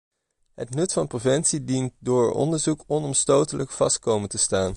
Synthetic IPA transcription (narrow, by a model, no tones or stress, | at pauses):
ɦətnɵtfɑnprovɛntsidint̚dʊːɹɔ̰ndəɹzukɔnɔmstowtələkfɑst̚kowməntəstaːn